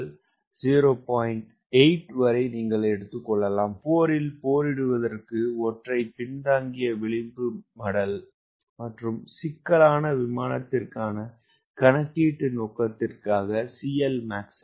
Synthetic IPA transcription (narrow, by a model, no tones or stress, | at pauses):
l | siːɾoːpaːjɪɳʈ | ɐɪʈʋɐɾɐɪniːŋɡɐɭɐɛɽɯt̪ːɯkːɔɭːɐlaːmpoːɾɪlpoːɾɪɽɯʋɐðɐrkɯɔʈrɐɪpɪɳd̪aːŋɡɪjɐʋɪɭɪmbɯmɐɽɐl | mɐʈrɯmsɪkːɐlaːnɐʋɪmaːnɐt̪ːɪrkaːnɐ | kɐnɐkːiːʈːɯnoːkːɐt̪ːɪrkaːɣɐsijɐlmaːks